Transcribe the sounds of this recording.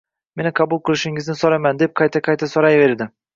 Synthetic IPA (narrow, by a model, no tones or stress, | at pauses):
me̞nɪqʰɑbʊlˠqʰɨlˠɪʃɪŋɪznɪsoɾajmand̪e̞p̚qʰɑjt̪ʰaqʰɑjt̪ʰasɒɾajve̞ɾd̪ɪ